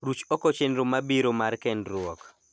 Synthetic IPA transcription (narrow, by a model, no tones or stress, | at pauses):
ɾut͡ʃɔkɔt͡ʃendɾomabiɾomarkɛndɾʊɔk